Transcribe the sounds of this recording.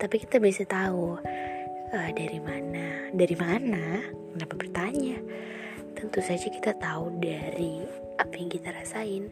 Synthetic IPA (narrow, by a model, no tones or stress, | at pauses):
t̪apikit̪abiasat̪au | ədaɾimanadaɾimana | kənapapərt̪aɲa | t̪ənt̪usad͡ʒaki̥t̪at̪audaɾi | apajaŋkit̪aɾasaɪn